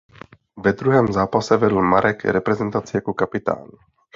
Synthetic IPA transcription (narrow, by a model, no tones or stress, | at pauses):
vɛd̪ɾuɦɛːmzaːpasɛvɛd̪l̩maɾɛɡɛ̰ɾɛpɾɛzɛnt̪at͡siɛkukapit̪a̰ːnu